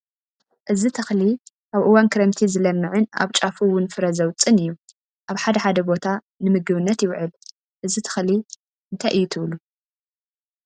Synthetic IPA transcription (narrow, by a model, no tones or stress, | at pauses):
ʔɨzit̪ʰɨxli | ʔaβʔɨwankʰɨɾɐmt̪ʰizɨlɐmːɨʕɨna̰βt͡ʃʼafuwʊnfɨɾɐzɐwt͡sʼɨnɨjːu | ʔaβħad̪ɐħad̪ɐbo̞t̪ʰa | nɨmɨɡɨβɨnːɐt̪jɪwʕɨl | ʔɨzit̪ʰɨ̥xli | ʔɨnt̪ʰajʔɨjːut̪ʰɨβlu